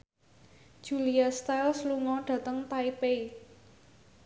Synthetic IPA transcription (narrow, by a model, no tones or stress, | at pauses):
d̥ʒ̥uliast̪ajlsluŋɔɖ̥ä̤t̪əŋt̪aipei